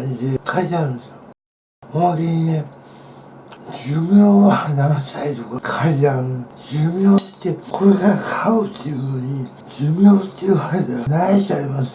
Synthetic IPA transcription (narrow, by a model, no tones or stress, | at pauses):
ɲid̪ekʰait̪aɾɯ̃neso | maβɾʲiɲine | d͡ʑɨmʲjoːβananasait̪okakʰaizaɾɯ̃d͡ʑɨmʲjoːit̪ːekʰoɾeɡakʰaɯt̪ʰːeɯɡɯɲi | d͡ʑɨmʲjoːt̪ːeɯβakedaanaiɕaimasɨ̥